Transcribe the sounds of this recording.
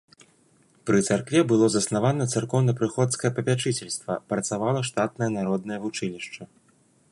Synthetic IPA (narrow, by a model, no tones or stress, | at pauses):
pɾɨt̪sarkvʲɛbɨlˠɔzɐsnavanɐt̪sarkɔwnɐpɾɨxɔt̪skɐjɐpɐpʲat͡ʂɨt͡sʲɛlʲst̪vɐpɾɐt̪savalˠɐʂt̪at̪nɐjɐnaɾɔd̪̚nɐjɐvut͡ʂɨnʲiʂt͡ʂɐ